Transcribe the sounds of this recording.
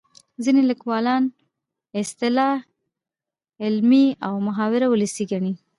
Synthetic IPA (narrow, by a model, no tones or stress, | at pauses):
zineləkwɑlɑn | ɪst̪ɪlɑh | ɪlmiawmʊɦɑwɪɾawʊləsiɡaɳi